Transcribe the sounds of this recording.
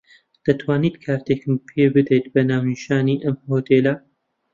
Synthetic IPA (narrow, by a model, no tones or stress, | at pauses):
d̪̥ɐt̪ʰwaːniːt̪kʰaːɾt̪ekɨmpʰebɨd̪ejt̪̚bɐnaːwniʃaːniʔɐmhoːt̪ʰelɐ